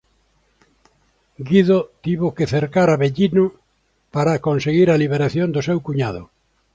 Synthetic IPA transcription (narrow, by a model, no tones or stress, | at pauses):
ɡiðot̪iβokeθeɾkaɾaβeʎinʊ | paɾakonseɣiɾaliβ̞eɾaθjond̪ʊsewkuɲað̞ʊ̰